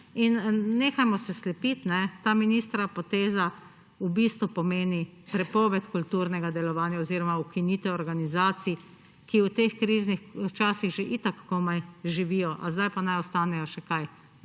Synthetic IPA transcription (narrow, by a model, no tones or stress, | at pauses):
inneːxajmɔsɛslɛpit̪nɛt̪aːminist̪ɾapɔt̪eːza | ubist̪ʋupɔmeːnipɾɛpɔːʋɛt̪kult̪uːɾnɛɡad̪ɛlɔʋaːnjaoziːɾɔmaukiniːt̪ɛɔɾɡanizaːt̪si | kiwt̪exkɾiːznixt͡ʃaːsiɣʒeʔit̪akkɔmajʒiʋiːjɔʔazd̪ajpanajɔst̪aːnɛjɔʃɛkaj